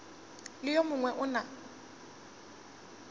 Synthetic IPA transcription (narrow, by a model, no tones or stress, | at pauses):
lɪjomʊŋwɛʔʊna